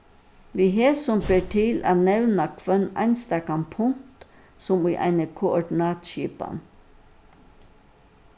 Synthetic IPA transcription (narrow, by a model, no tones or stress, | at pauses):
ʋ̪iɦeːsɔmbeːʈʰɪlʔæ̰ːnɛʋnakʰʋœnæ̰ɪnst̪æːkanpʰʊŋtt̪ | sɔmiʔæ̰ɪnəkʰʊɔɖɪnɑːt̪ʃiːpa̰n